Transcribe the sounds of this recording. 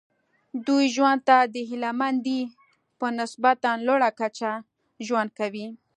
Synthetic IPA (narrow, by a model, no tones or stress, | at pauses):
d̪ujʒwand̪̚t̪ad̪əɦɪlamand̪i | pənɪsbat̪anloɽakat͡ʃa | ʒwand̪̚kawi